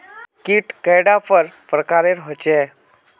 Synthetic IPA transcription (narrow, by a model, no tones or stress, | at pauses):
kiːʈkəjɽafəɾpɾəkaɾeɾɦot͡ɕɛ